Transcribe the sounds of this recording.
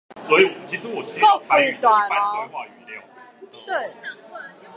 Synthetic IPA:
swɔ˧˦˥i˨˩˨t͡ɕʰi˧˥ʂɻ̩˧˥wɔ˨˩ɕi˥k̪o˥˧ʊpʰa˥e˥˩˥t̪wa˥˧na˥˧a˥˧nxwa˥˧˩y˧˥˩ljɑ˨˩ʊt̪we˥˩ɪ˥˩

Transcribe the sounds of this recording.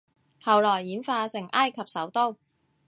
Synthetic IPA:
hɐ˨wlɔː˨˩jːiː˨˥nfaː˧sɪ˨˩ŋʔaː˥jkʰɐ˨p̚sɐ˨˥wt̪o˥w

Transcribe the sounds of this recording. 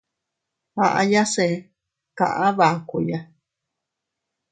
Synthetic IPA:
hã̰˨ʔã̰˧˦ja˦se˧˦ | kã̰˨ʔã˦βa˨ku˧˨ja˦

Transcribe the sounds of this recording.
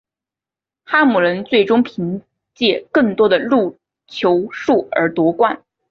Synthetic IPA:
xa˥mu˨˩lə˧˥nt͡swe˥˩ɪʈ͡ʂʊ˥ŋpʰi˧˥ŋ | t͡ɕjɛ˥˧kɤ˥˩ŋt̪wɔ˥d̪ə˨lu˥˧ | t͡ɕʰjo˧˥ʊʂu˥˩ə̰˞˧˥t̪wɔ˧˥kwa˥˩n

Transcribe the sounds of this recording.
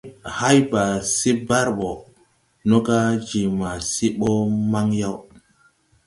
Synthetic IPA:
ha˦jba˨si˦ba˦ɾɓo˨ | nɔ˦ka˦d͡ʒi˨ma˨si˦ɓo˦ma˦ŋja˦w

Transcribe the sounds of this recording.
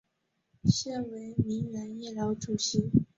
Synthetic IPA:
ɕɛ˥˩we˧˥ɪmi˧˥ŋɥa˧˥njɛ˥˩lɑ˧˥ʊʈ͡ʂu˨˩ɕi˧˥˦

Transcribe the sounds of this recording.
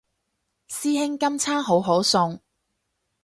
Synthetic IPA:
siː˥hɪ˥ŋkɐ˥mt͡sʰaː˥ɦo˨˥wɦo˨˥wsʊ˧ŋ

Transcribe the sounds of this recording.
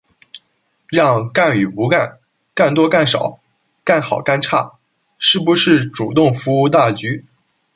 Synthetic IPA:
ɻɑ˥˧ŋka˥˩ny˨˩pu˧˥ka˥˧n | ka˥˩nt̪̬wɔ˥ka˥˩nʂɑ˨˩˦ʊ | ka˥˩nxɑ˨˩ʊka˥˧nʈ͡ʂʰa̰˥˩ | ʂɻ̩˥˩bu˧˥ʂɻ̩˥˩ʈ͡ʂu˨˩t̪ʊ˥˩ŋfu˧˥u˧˥t̪a˥˩t͡ɕy˧˥

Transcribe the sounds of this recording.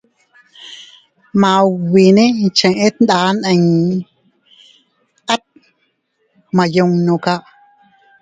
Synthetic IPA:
mã˨wi˨nẽ˦nt͡ʃə̃˨ʔẽ˦t̪n˦d̪aː˧˦nʔə̃˧ɲ | a˦t̪̚ | mã˧jo˧ŋnõ˨ka˧ʔ

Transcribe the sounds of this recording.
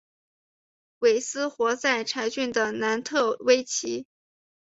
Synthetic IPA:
we˨˩ɪsɹ̩˥xwɔ˧˥t͡sa˥˩ɪʈ͡ʂʰa˧˥ɪt͡ɕy˥˩nd̪ə˩na˧˥nt̪ʰɤ˥˩we˥ɪt͡ɕʰi˧˥

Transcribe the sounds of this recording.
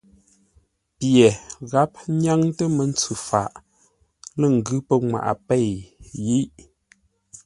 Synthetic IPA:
pjɛ˨ɣa˨˦p̚ɲa˦ŋtə˦mə˨˦n̩˦t͡sʉ˨fa̰˨ʔ | lə˦˨ŋ̩˨ɡʉ˦pə˦ŋwa̰˨ʔa̰˨pe˦˨jji˦ʔ

